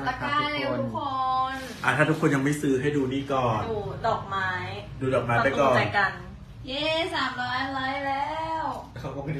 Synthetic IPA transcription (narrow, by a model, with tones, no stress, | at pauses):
a˧˩kaː˧˩le˧tʰu˥kʰo˧n | ʔa˨˩t̪ʰaː˥˩u˦˥kʰːo˧nja˧ŋma˥˩jsɯː˦˥ɦa˥˩jduː˧niː˥˩kɔː˨˩nduː˧dɔː˨˩k̚maː˦˥jduː˧dɔː˨˩k̚maː˦˧aː˥˩kɔː˧˨˩a˨˩ka˧n | je˥˩saː˨˩˦mlɔː˦˥lɔː˦˥jlɛː˦˥˩wkʰa˦kɔ˥˩˧